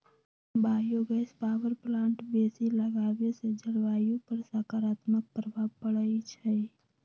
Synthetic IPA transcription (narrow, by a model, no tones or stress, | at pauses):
baːjoɡəspaːwəɾplãːɳʈbeːsiləɡaːʋesed͡ʒəɽʋaːjũpəɾsakaːɾaːt̪mək̚pɾəbʱabpəɽəit͡ʃʰɛ